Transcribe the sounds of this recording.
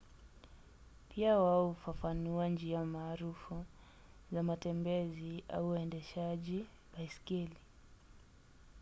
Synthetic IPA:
pʰiawaɔufafanuand͡ʒiamaːɾufu | zamatɛmbɛzia̰uɛndɛʃaʄi | baiskili

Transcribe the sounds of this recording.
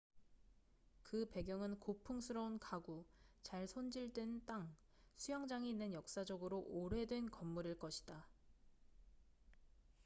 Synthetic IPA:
kɯpe̞ɡjʌŋɯnkopʰuŋsʰɯɾʌunkaɡut͡ɕaɭsʰond͡ʑiɭdwent͈aŋ | sʰujaŋd͡ʑaŋinːɯnjʌk̚s͈ad͡ʑʌɡɯɾoʔoɾe̞dwe̞nkʌmːuɾiɭk͈ʌɕʰi̥d̥a

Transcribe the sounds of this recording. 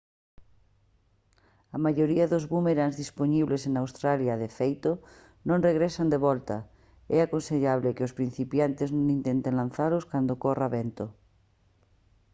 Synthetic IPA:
amaʎoɾiaðozβumeɾanzðisponiβlesenawst̪ɾaljaðefejt̪o | nõŋreɣɾesand̪eβɔlt̪a̰ | ɛakonseʎaβ̞lekɪospɾin̟θipjant̪ɪznõŋint̪ent̪ẽnlanθaɾoskand̪okoraβent̪o

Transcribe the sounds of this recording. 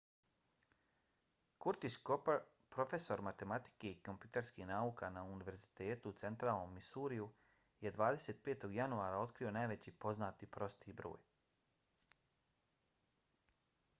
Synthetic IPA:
kuɾt̪iskopeɾ | pɾo̞fe̞so̞ɾmat̪e̞mat̪i̥keiko̞mpjut̪eɾskihnaːuːkanauniʋe̞ɾzit̪eːt̪uːt̪se̞nt̪ɾaːlˠno̞mːisuːɾiju | jed̪ʋaːd̪e̞se̞ːt̪̚pe̞ːt̪o̞ɡjanuaːɾao̞t̪kɾio̞najʋe̞t͡ɕiːpo̞znaːt̪ipɾo̞st̪ibɾo̰ːj

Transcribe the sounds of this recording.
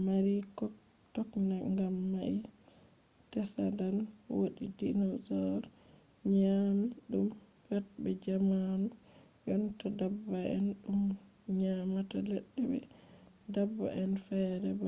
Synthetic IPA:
maɾikɔ | tɔknaŋɡamːai | tɛsa̰danwoɗidinɔzɔɾ | ɲamiɗum | fat̚bɛd͡ʒamanu | jɔntadabːaɛ̰nɗum | ɲamatalɛɗːɛbɛ̰ | dabːa̰ʔɛnfɛɾɛba

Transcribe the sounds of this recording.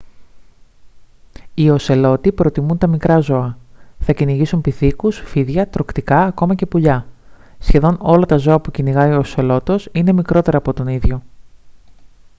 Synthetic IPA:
io̞se̞lo̞t̪ipɾo̞t̪imunt̪ɐmikɾɐzo̞ɐθɐciniʝisumpiθikusfiðʝɐt̪ɾo̞kt̪ikɐːko̞mɐce̞puʎɐ | sçe̞ðo̞no̞lɐt̪ɐzo̞ɐpuciniɣɐiose̞lo̞t̪o̞sine̞mikɾo̞t̪e̞ɾɐːpo̞t̪o̞niðʝo̞

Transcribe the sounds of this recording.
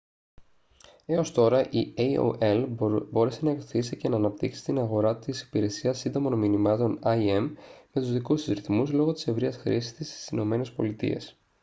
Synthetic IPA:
e̞o̞st̪o̞ɾɐʔieio̰ʔelbo̞ɾe̞se̞nɐekɾoθisice̞nɐːnɐp̚t̪iksi̥t̪inɐɣo̞ɾɐt̪isi̥piɾe̞siɐsːind̪o̞mo̞nminimɐt̪o̞nɐie̞mme̞t̪uzðikususɾiθmuzlo̞ɣo̞t̪i̥se̞vɾiɐsxɾisi̥st̪ist̪i̥sino̞me̞ne̞spo̞̰lit̪ḭe̞̰s

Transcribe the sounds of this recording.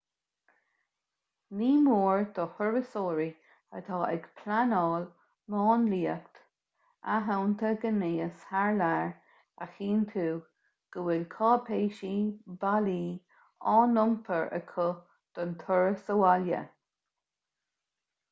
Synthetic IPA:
niːmoːɹd̪̥ɔhʊɹəsoːɾi | ə̰t̪ʰɑːʔɛɡpʰlanɑːl | mɑːnliːəkt̪ | aɦawnt̪ʰəɡəneːəshaɹlaɹ | axiːnt̪ʰuː | ɡ̥əwɪlkʰɑːpʰeːʃibaliː | ɑːnʊmpʰəɹʔə̰kʰʊ | d̪̥ɔnt̪ʰʊɹəsəwaljə̰

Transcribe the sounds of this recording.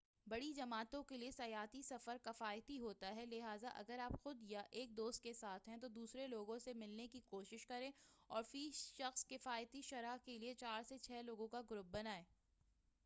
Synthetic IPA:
bɐɽid͡ʒɐmaːt̪õkeliesɐjaːt̪isɐfəɾkɐfaːjt̪iɦoːt̪aɦɛlɪɦaːzaʔɐ̰ɡəɾaːpxʊd̪jaʔeːk̚d̪oːst̪̚kesaːt̪ʰɦɛ̃t̪od̪uːsɾeloːɡõsemɪlnekikoːʃɪʃkɐɾẽːɔːɾfiːʃɐxskɪfaːjt̪iʃɐɾaɦkeliet͡ʃaːɾset͡ʃʰɛːloːɡõkaɡʊɾʊp̚bɐnaːẽː

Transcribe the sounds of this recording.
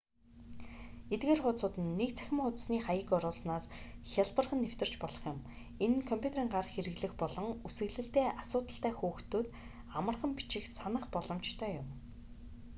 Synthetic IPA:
et̪̚ɡeːrχʊːt͡sʊːt̪ɘ̆nːekt͡sʰæ̥xʲɪ̆ɴχʊt̪sniːχajə̆kɔɾʊːɮsnaːsxʲaɮpə̆rχə̆nːew̥t̪ɪ̆r̥t͡ɕpɔɮɞ̆χjʊ̆m | enkʰɔmpʰʲut̪eɾiːŋɢarxeɾɘ̆ɣɮɘ̆xpɔɮɞ̆ŋusɘ̆ɣɮɘ̆ɬt̪eːʔasʊːt̪ə̆ɬt̪æːxuːxt̪oːt̪ | amə̆rχə̆mpi̥t͡ɕɪ̆xsanə̆χpɔɮɞ̆mt͡ɕt̪ʰœːjʊm

